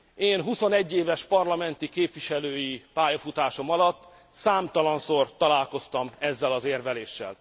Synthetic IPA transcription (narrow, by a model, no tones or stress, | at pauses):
eːnɦuso̞nɛɟːeːvɛʃpɒrlɒmɛnt̪ikeːpʋiʃɛløːjipaːjɒfut̪aːʃo̞mɒlɒt̪ː | saːmt̪ɒlɒnsort̪ɒlaːlko̞st̪ɒmɛzːɛlɒzeːrvɛleːʃːɛ̰l